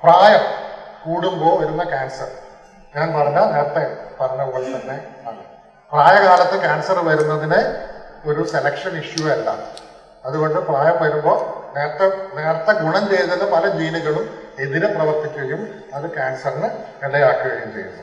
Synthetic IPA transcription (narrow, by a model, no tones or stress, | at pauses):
praːjɐmkuːɽumbo̞ːʋɐɾunːɐkaːnsɐr | ɲaːnpɐrɐɲːɐne̞ːɾɐt̪ːepɐrɐnɐʋuɣɐɭt̪ɐnːe̞ɐɳːɐ | praːjɐkaːlɐt̪ːekaːnsɐrʋɐɾunːɐðinɨo̞ɾuse̞lɐkʂɐniʂjuʋɐlːa̰ | ɐðuɣo̞ɳɖɨpraːjɐmʋɐɾumboːneːɾɐt̪ːɐneːɾɐt̪ːɐɡuɳɐnd͡ʑejðɐðɐpɐlɐd͡ʑiːniɣɐɭume̞ðiɾeprɐʋɐrt̪ikʲːuɣɐjum | ɐðɨkaːnsɐrinɨ | eɽɐjaːkːuɣɐɣiːmt͡ɕejṵnːɐ